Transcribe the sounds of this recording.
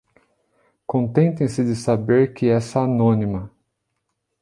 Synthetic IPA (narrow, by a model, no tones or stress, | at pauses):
kõt̪ẽnt̪ẽj̃sɪd͡ʒɪsabeɾkɪɛsɐanõnimɐ